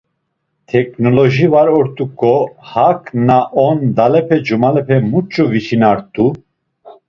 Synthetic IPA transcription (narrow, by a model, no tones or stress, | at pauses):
t̪ʰɛkʰʼnɔlɔʒivaɾɔɾt̪ʼukʼɔhakʰʼnaʔɔnd̪alɛpʰɛd͡ʒumalɛpʰɛmut͡ʃʼɔvit͡ʃʰinaɾt̪ʼu